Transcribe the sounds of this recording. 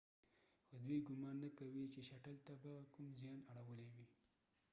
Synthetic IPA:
xod̪wijɡʊmɑnːakawit͡ʃeʃaʈəlt̪abakʊmzjɑnaɽawəlewi

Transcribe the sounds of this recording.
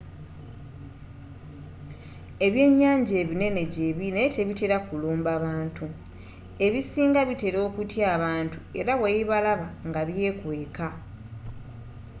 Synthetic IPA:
e̞βje̞ːɲːaːɲɟeːβine̞ne̞ɟeβinece̞βiteɾakuluːmbaβaːntu | eβisiːŋɡaβite̞ɾo̞ːkutjaːβaːntue̞̰ɾawejiβalaβaŋɡaβje̞ːkwe̞ːka

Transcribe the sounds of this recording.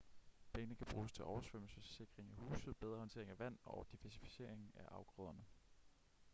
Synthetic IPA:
b̥eːnəkʰæb̥ʁuːst͡sʰe̝lʔɒʊɐsʋøm̰l̩səse̝ɡ̥ʁeŋæhṵːsð̞̩ˠb̥eð̞ˠʁɐhɒ̽nt͡sʰe̝ɐeŋæʋæn̰ɒʊd̥iʋæɐsi̥fi̥se̝ɐ̰e̝ŋ̩æʔɑ̈ʊɡ̥ʁɔðˠɐnə

